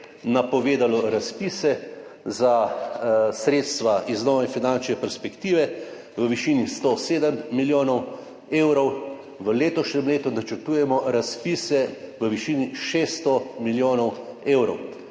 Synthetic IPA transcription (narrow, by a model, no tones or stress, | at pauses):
napɔʋeːd̪alɔɾaspisɛza | sɾeːt̪st̪ʋaʔiznɔːʋɛfinant͡ʃnɛpɛɾspɛkt̪iːʋɛ | ʋəʋiʃiːnist̪oseːd̪əmːiljoːnɔw | eːwɾɔw | ʋəleːt̪ɔʃnʲɛmleːt̪unat͡ʃəɾt̪uːjɛmɔɾaspiːsɛʋəʋiʃiːniʃest̪ɔmiljoːnɔweːwɾɔ̰w